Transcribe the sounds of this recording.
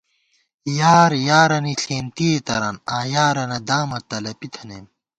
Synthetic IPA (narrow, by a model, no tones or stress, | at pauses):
jaːɾjaːɾɐniɬʰeːnt̪iet̪ɐɾɐnaːjaːɾɐnɐd̪aːmɐt̪ɐlɐpit̪ʰɐnem